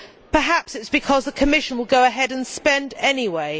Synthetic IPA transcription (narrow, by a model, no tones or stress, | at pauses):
pʰəɦapsɪtsb̥ɨkʰɒzðəkʰəmɪʃə̃nwɪlˠɡəʊəɦɛdə̃nspɛ̃ndɛniweɪ